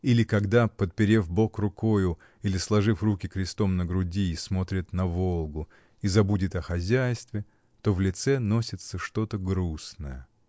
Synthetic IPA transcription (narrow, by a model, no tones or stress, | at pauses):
ilʲɪkɐɡd̪apət̪̚pʲɪɾʲevbo̞krʊko̞jʊ | ilʲɪslˠɐʐɨfrukʲɪkɾʲɪst̪o̞mnəɡɾʊdʲiːsmo̞t̪ɾʲɪt̪nɐvo̞lˠɡʊ | izɐbudʲɪt̪ɐxɐzʲæjst̪vʲɪ | t̪o̞vlʲɪt̪sɛno̞sʲɪt̪səʂt̪o̞t̪əɡɾusnəjə